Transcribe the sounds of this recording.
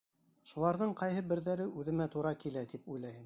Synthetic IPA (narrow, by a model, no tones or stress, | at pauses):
ʃulˠɑɾðɤɴqɑjɦɤbɘ̆ɾðæɾɘʔʉðɘ̆mæt̪uɾɑkilæt̪ipujlˠæjɘm